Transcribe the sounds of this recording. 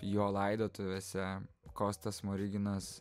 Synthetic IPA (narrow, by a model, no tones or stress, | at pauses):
joːlˠɐɪd̪oːt̪ʊʋʲeːsʲɛ | koːst̪ɐsmoɾʲɪɡʲɪnɐs